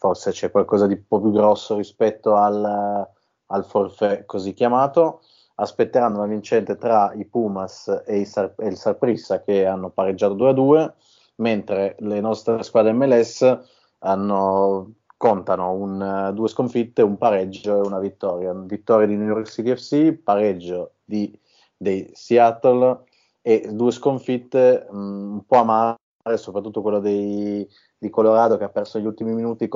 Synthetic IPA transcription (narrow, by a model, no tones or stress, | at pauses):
forset͡ʃɛkːwalkɔːzad̪ipɔpjuɡɾɔsːoɾispɛt̪ːoal | alforfɛkozikːjamaːt̪o | aspet̪ːeɾanːounavint͡ʃɛnt̪et̪ɾaipumaseisarelsarpɾisːak̟eanːopaɾed͡ʒːat̪od̪uːead̪uːe | ment̪ɾelenɔst̪ɾeskwaːd̪eɛmːɛlɛsː | anːo | kont̪anound̪uːeskoɱfit̪ːeumpaɾɛd͡ʒoeunavit̪ːɔːɾjavit̪ːɔːɾjad̪inujɔrksit̪iɛfsipaɾɛd͡ʒːo | d̪i | d̪ejsiat̪ol | ed̪uːeskoɱfit̪ːeumpɔamaː | ɾesopɾat̪ːut̪ːokwelːod̪ej | d̪ikoloɾaːd̪ok̟eapːɛrsoneʎːult̪imiminuːt̪ik